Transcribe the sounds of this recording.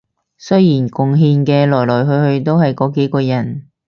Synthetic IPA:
sɵ˥ɥjiː˨˩nkʊ˨ŋɦiː˧nkɛː˧lɔː˨˩jlɔː˨˩jɦɵ˧ɥhɵ˧ɥt̪o˥whɐ˨jkɔː˨˧ke˨˥jkɔː˧jɐ˨˩n

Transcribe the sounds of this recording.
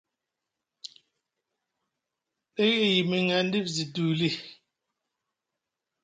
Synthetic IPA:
ɓe˦ɣe˦˨ji˨me˨ŋa˨n˦di˦pzi˨duː˨li˦˨

